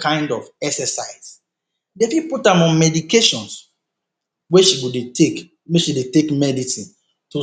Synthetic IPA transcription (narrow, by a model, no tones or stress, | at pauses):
kʰãɪ̃ndɔvɛksəsaɪs | defiputãmɔ̃nmɛdikeʃɔ̃ns | wɛʃiwudetʰek | weʃidetekmɛdisĩn | tu